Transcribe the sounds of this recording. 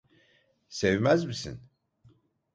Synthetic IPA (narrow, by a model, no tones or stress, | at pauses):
sevmæzmisḭn